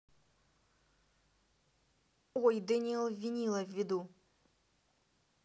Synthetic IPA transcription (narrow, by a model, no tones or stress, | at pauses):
wɔjd̪ɛnʲilˠvʲːinʲilˠɐvʲːɪd̪u